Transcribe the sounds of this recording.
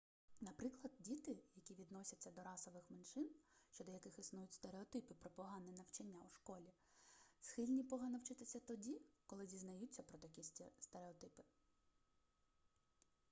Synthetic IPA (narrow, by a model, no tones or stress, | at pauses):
nɐpɾɪklˠɐd̪̚dʲit̪ɪjɐkʲiʋʲid̪nɔsʲɐt͡sʲːɐd̪ɔɾɑsɔʋɪxmenʃɪnʃt͡ʃɔd̪ɔjɐkɪxisnujʊtʲst̪eɾeɔt̪ɪpɪpɾɔpɔɦɑnɪnɐwt͡ʃɐnʲːauʃkɔlʲi | sxɪlʲnʲipɔɦɑnɔwt͡ʃɪt̪ɪsʲɐt̪ɔdʲikɔlˠɪzʲiznɐjut͡sʲːɐpɾɔt̪ɐkʲist̪eɾeɔt̪ɪpɪ̥